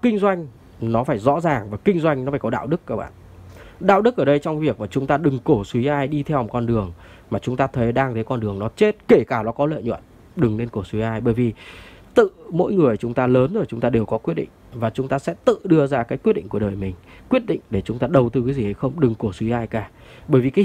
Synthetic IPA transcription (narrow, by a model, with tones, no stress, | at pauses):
kï˧ŋ̟zwa˧jŋ̟ | nɔ˨˦faː˧˩jzɔ̰˧˥zaː˨˩ŋvaː˨˩kï˧ŋ̟zwa˧jŋ̟n˨˦faː˧˩kɔ˨˦ɗa̰ː˧˨wɗɨ˦˥kːaː˦˥k̚ɓa̰ː˧˨ʔ | ɗa̰ː˧˨wɗɨ˦˥k̚ʔəː˧˩ɗə˧jt͡ɕwŋ͡mvi˨˩ək̚maː˨˩t͡ɕʊ˨˦ŋ͡mt̪aː˧ɗɨ˨˩ŋko˧˩swi˨˦ʔaː˧jɗi˧t̪ʰɛ˧wkɔ˧nɗɨ˨˩əŋ | maː˨˩t͡ɕʊ˨˦ŋ͡mt̪aː˧t̪ʰə˨˦jɗaː˧ŋt̪ʰə˨˦jkɔ˧nɗɨ˨˩əŋnɔ˨˦t͡ɕe˦˥t̚ke˧˩kaː˧˩nɔ˨˦kɔ˨˦lə̰˧˨jɲwə̰˧˨n | ɗɨ˨˩ŋle˧nko˧˩swi˨˦ʔaː˧jɓəː˧˩jvi˨˩t̪ɨ̰˧˨mo̰˧˥jŋɨ˨˩əjt͡ɕʊ˨˦ŋ͡mt̪aː˧ləː˨˦nzo˧˩jt͡ɕʊ˨˦ŋ͡mt̪aː˧ɗe˨˩wkɔ˨˦kwi˦˥ət̚ɗḭ˧˨ŋvaː˨˩t͡ɕʊ˨˦ŋ͡mt̪aː˧sɛ̰˧˥t̪ɨ̰˧˨ɗɨ˧əzaː˧kaː˨˦jkwi˦˥t̚ɗḭ˧˨ŋ̟ku˧˩ɗəː˨˩jmï˨˩ŋ̟ | kwi˦˥ət̚ɗḭ̈˧˨ŋ̟ɗe˧˩t͡ɕʊ˨˦ŋ͡mt̪aː˧˩ɗə˨˩wt̪ɨ˧kaː˨˦zi˨˩hə˨˧˩jxə˧wŋ͡mɗɨ˨˩ŋko˧˩swi˨˦ʔaː˧jkaː˧˩ | ɓəː˧˩jvi˨˩ka˨˦